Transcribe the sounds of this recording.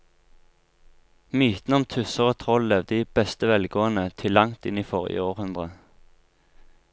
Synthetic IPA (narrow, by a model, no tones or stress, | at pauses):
myːt̪n̩əɔmt̪ʰʉsəʁot̪ʰʁɔllɛʋd̪əiːb̥ɛst̪əʋɛlɡoːənət̪ʰɪlːɑŋt̪ɪniːfɔʁjə̰oːʁhʉnd̪ʁə